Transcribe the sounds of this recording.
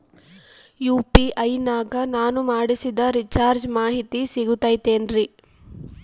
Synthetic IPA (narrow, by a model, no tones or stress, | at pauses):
juːpiʔɐjnaːɡɐnaːnumaːɽisid̪ɐɾit͡ʃaːɾd͡ʒmaːɦit̪isiɡut̪ːaːjt̪eːnɾi